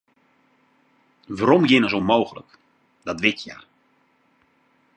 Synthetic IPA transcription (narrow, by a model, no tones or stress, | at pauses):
ʋaɾɔmjɪnəzomowɣələ̰k | d̥ɑtʋɪtja̰